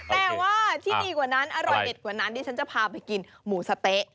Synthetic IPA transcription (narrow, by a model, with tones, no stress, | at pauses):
t̪ɛː˨˩waː˥˩t̪ʰiː˥˩diː˧kwaː˨˩na˦˥nʔa˧ɾɔ˨˩jde˨˩t̪̚kwːna˦˥nt̪ʰiː˧˥˩t͡ɕʰa˦˥nt͡ɕa˨˩pʰaː˧pa˧jki˧n | muː˩˦sa˧t̪e˦˥ʔ